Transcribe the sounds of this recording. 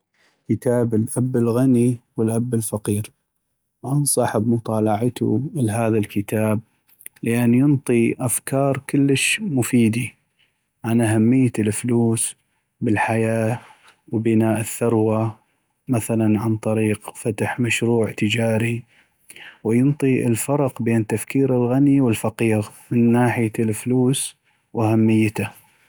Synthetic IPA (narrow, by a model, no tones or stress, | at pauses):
kɪt̪aːbɪlʔabːɪlɣaniwɪlʔabːɪlfɑqiːɾ | ʔɑnsˤɑħəbmʊt̪ˤɑːlɑʕat̪ṵlɦaːðalkɪt̪aːb̚ | lɪʔanːjʊnt̪ˤiʔafkʰɑːɾˤkɪlːəʃmʊfiːd̪i | ʕanʔaɦamːɪjːalfluːs | bɪlħajaː | wbɪnaːʔɪθːɑɾˤwa | maθalanʕant̪ˤɑɾiːqfat̪aħmaʃɾuːʕt̪ɪd͡ʒaːɾi | wɪjʊnt̪ˤiɪ̰lfɑɾˤqbeːnt̪afkiːɾɪlɣaniwɪlfaqiːɣmɪnːaːħɪjalfluːs | wʔahamːɪjːt̪a